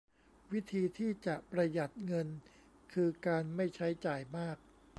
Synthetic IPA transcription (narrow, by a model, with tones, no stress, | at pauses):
wi˦˥t̪ʰiː˧t̪ʰiː˥˩t͡ɕa˨˩ʔpɾa˧ja˨˩t̪̚ŋɤ˧n | kʰɯː˧kaː˧nma˥˩jt͡ɕʰa˦˥jt͡ɕaː˨˩jmaː˥˩k̚